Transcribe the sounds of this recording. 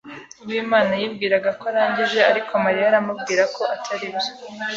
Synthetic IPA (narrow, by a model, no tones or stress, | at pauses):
uwiːmaːnajiːbɡiːɾaɡakoaɾaːɲɟiʒe̞aɾikʰoamaɾijaɾamubɡiːɾako̞ʔatʰaɾibe̥